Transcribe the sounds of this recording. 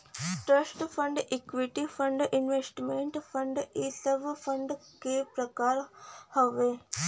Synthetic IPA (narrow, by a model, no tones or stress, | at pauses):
ʈɾəsʈfəɳɖekʋiʈifʰəɳɖinʋesʈmeɳʈfʰəɳɖisəɾʋfʰəɳɖkepɾəkaɾhɔʋe